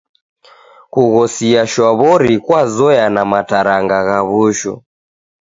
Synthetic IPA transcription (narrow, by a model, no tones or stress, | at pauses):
kuɣɔsiaʃɔβɔɾikwazɔjanamataɾaŋɡaɣaβuʃɔ̰